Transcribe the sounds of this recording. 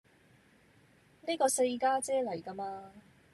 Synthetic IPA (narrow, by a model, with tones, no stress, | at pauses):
ni˥kɔː˧se˧jkaː˥t͡sɛː˥lɐ˨˩jka˧maː˧